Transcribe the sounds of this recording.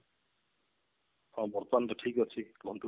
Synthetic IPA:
abɔɾt̪ɔmant̪ɔʈʰikɔt͡ʃʰilɔnʈu

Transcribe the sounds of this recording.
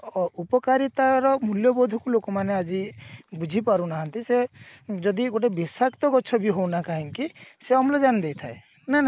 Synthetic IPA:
upɔkaɾit̪aɾɔmuljɔbɔd̪ʱukulokɔmanead͡ʒibud͡ʒʱipaɾunaɦant̪ised͡ʒɔd̪iɡoʈ̬ebisakt̪ɔkɔt͡ʃʰɔbiɦownakaɦiŋkiseɔmlɔd͡ʒanid̪ejt̪ʰae | nana

